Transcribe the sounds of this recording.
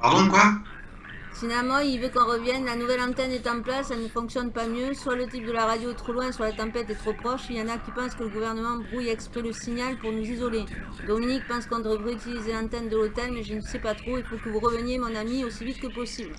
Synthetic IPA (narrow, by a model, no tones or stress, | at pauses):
paʁd̪ɔ̃kwa | sinamãilvøkɔ̃ʁəvjɛnlanuvɛlɑ̃t̪ɛnɛt̪ɑ̃plasanəfɔ̃ksjɔnpamjøswalət̪ip̚d̪əlaʁad̪joɛt̪χolwɛ̃swalat̪ɑ̃pɛt̪ɛt̪χopχɔʃiljɑ̃nakʲipɑ̃skələɡuvɛʁnəmɑ̃bʁujɛkspχiləsiɲalpuʁnuzizɔle | d̪ɔminik̚pɑ̃skɔ̃d̪ʁəʁeyt̪ilizelɑ̃t̪ɛnd̪əlot̪ɛlmɛʒənəsɛpat̪χoifokəvuʁəvənjemɔ̃namiosivit̪kəpɔsibl